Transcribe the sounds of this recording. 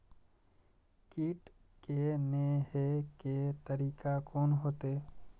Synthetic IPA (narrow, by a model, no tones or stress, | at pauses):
kiːʈ | keneɦeket̪əɾiːkakɔːnɦoːt̪e